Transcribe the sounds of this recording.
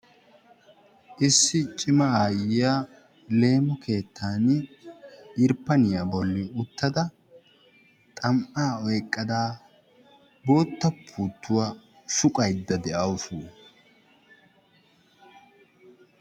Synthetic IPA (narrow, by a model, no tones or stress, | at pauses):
ʔɪsːɪt͡ʃʼɪmɐaːjɪja | le̞ːmɔkʰe̞ːt̪ʰːaːn | ɪɾpːɐnɪjɐbɔlːɪʊt̪ːɐd̪ɐ | t̪ʼɐmʔaːɔjkʼːɐd̪aː | bo̞ːt̪ːɐpʰːuːt̪ːʊwa | sʊkʼɐjd̪ːɐd̪ɛʔɐʊsuː